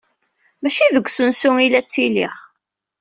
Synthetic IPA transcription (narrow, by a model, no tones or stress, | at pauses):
mæʃiðəɡʷːsənsʊŋilæt͡sːilḭχ